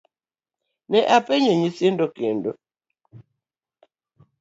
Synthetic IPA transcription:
nɛʔapɛɲeɲisendokendo

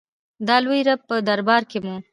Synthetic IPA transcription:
d̪ɑlwojɾab̚pəd̪aɾbɑɾkemu

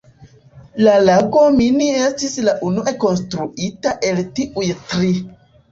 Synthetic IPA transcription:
lalakominiestislaʔunuʔekonstɾuʔitaʔeltiʔujtɾi

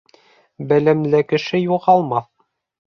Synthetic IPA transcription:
bæ̆læmlɘkɘ̆ʃɘjuʁɑlˠmɑθ

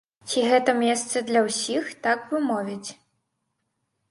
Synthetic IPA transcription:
t͡sʲiɣɛt̪ɐmʲɛst̪sɐd̪lʲɐwsʲixt̪akvɨmɔvʲit͡sʲ

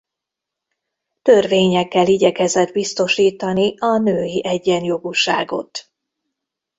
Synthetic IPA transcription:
t̪ø̞rveːɲɛkːɛliɟɛkɛzɛd̪bist̪o̞ʃiːt̪ɒniɒnøːjiʔɛɟːɛnjo̞ɡuʃa̰ːɡo̞̰t̪

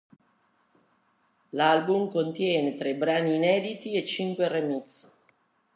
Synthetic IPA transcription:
lalbumkont̪jɛːnet̪ɾebɾaniːnɛːd̪it̪iet͡ʃːiŋkweremit̪s

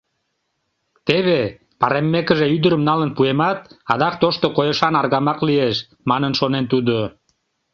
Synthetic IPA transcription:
t̪eβe | pɑɾemːekəʒeyd̪əɾəmnɑlənpuemɑt̪ɑd̪ɑk̚t̪oʃt̪okojəʃɑnɑrɣɑmɑklieʃ | mɑnənʃonent̪ud̪o

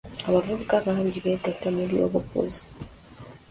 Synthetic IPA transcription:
aβavuβukaβaːɲɟiβeɡatamuɾijo̰βufṵzo̥

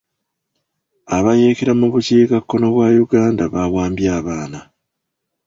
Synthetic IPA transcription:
aβaje̞ːkeɾamuβuciːkakːo̞no̞βwaːjuɡaːndaβaβwaːmbjaːβaːna

